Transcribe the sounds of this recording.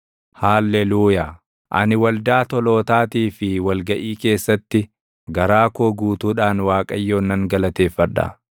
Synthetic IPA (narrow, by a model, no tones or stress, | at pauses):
haːlːɛluːjaː | ʔɐ̰nɪwɐld̪aːt̪ɔlo̞ːt̪aːt̪iːfɪwɐlɡɐʔiːke̞ːsːɐt̪ːɪ | ɡɐɾaːkoːɡuːt̪uːᶑaːnwaːkʼɐjːo̞ːnːɐŋɡɐlɐt̪e̞ːfːɐᶑɐ̰